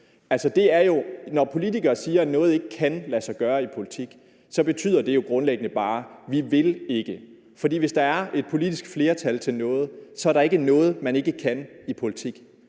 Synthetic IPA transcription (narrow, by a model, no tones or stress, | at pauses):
æl̰sɒd̥e̝æɐjo̝nɒpʰo̝lidiɡ̥ɐːsiːɐænɔ̽ːð̞̩ˠe̝ɡ̥əkʰænlæsɑ̈ɪɡ̥ɶːɐipʰo̝lit͡sʰiɡ̥ | sɒ̽b̥e̝t͡sʰy̰ð̰ˠɐd̥e̝jo̝ɡ̥ʁɔ̽nleɡ̥ənəb̥ɑ̈ːʋiʋe̝le̝ɡ̥ə | fɒ̽d̥ḭːʋe̝sd̥ɑ̈æɐe̝d̥̚pʰo̝lid̥isɡ̥fle̝ːɐt͡sʰælt͡sʰe̝lnɔ̽ːð̞̩ˠsɒ̽æɐɾ̥ɑ̈e̝ɡ̥ənɔ̽ːð̞̩ˠmæne̝ɡ̥əkʰænipʰo̝lit͡sʰiɡ̥